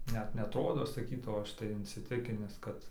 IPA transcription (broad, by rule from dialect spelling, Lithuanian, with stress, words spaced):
ˈnʲɛt nʲɛɐtˈroːdoː sɐˈkʲiːtɐʊ ˈɐʃ tɐɪ ɪnʲsʲɪˈtʲɪkʲɪnʲɪs ˈkɐt